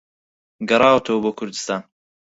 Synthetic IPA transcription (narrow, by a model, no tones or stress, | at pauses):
ɡɐɾˤɑːwt̪ʰɐwɐboːkʰʊɾd̪ɨ̥st̪aːn